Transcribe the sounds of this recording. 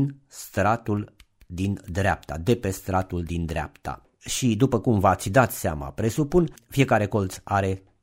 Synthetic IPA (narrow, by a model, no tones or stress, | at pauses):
nst̪ɾat̪ul | d̪ind̪ɾeap̚t̪ad̪e̞pe̞st̪ɾat̪uld̪ind̪ɾea̰pt̪a̰ | ʃid̪upəkumvat̪sʲd̪at̪seama̰pɾe̞supunfie̞kaɾe̞ko̞lt̪saɾe̞